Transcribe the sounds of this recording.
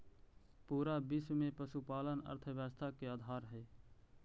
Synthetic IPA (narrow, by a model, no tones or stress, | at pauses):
puːɾabɪsmẽpəʃupaːlənə̰ɾt̪ʰəʋjaːst̪ʰakeaːd̪ʱaːɾɦɛː